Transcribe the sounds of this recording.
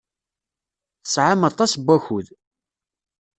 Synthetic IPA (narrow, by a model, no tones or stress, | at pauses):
θə̥sʕamɑt̪ˤːɑsbʷːæçuð